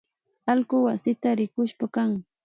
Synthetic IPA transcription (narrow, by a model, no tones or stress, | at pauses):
alɢʊwasɪt̪aɾɪkʊʃpakaŋ